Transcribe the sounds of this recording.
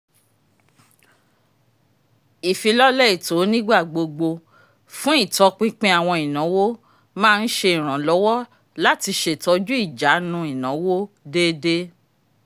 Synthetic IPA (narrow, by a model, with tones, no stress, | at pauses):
i˨fi˧lɔ˦lɛ˦˨i˨to˨˦nĩ˦ɡ͡ba˦˨ɡ͡bo˧ɡ͡bo˧ | fũ˦i˦˨tɔ˧˦k͡pĩ˦k͡pẽ˦a˨w̃ɔ̃˧i˨nã˨˦wo˦ | mãː˦˧n̩˦ʃe˧i˨ɾ̃ã˨lɔ˨˦wɔ˦ | la˦ti˧ʃe˨tɔ˧d͡ʒu˦i˦˨d͡ʒa˨˦nũ˧i˨nã˨˦wo˦ | de˦de˦